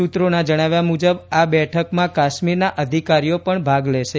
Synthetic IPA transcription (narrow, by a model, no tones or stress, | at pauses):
ut̪ɾonad͡ʒəɽ̃aʋjamud͡ʒəbabɛʈʰəkmãkaʃmiɾnaʔəd̪ʱikaɾijopəɳbʱaɡleʃe